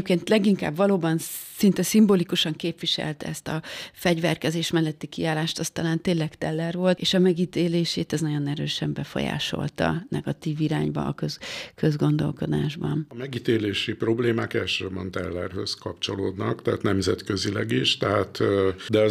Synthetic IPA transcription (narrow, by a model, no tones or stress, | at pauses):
pkeːnt̪lɛɡiŋka̰ːbvɒloːbɒnsint̪ɛsimbolikuʃɒŋkeːpʋiʃɛ̰lt̪ɛst̪ɒfɛɟvɛrkɛzeːʃmɛlːɛt̪ːikiaːlaːʃt̪ɒst̪ɒlaːnt̪eːnlɛkt̪ɛlːɛrvo̞lt̪eːʃɒmɛɡit̪eːleːʃeːt̪ɛznɒɟo̞nɛɾøːʃɛmbɛfo̞̰ja̰ːʃo̞̰lt̪ɒ̰nɛɡɒt̪iːviɾaːɲbɒ̰ːkøzkø̞zɡo̞nd̪o̞̰lko̞d̪a̰ːʒbɒnmɛɡit̪eːleːʃipro̞bleːmaːkɛlʃøːbɒnt̪ɛlːɛ̰rhøzkɒpt͡ʃo̞loːd̪nɒkt̪ɛaːt̪nɛmzɛt̪køzilɛɡiʃt̪ɛɦaːt̪ːd̪ɛ